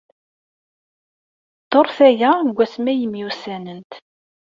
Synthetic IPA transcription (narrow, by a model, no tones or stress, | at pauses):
t̪oɾˤθæjæɡʷːæsmæjəmjusænənt̪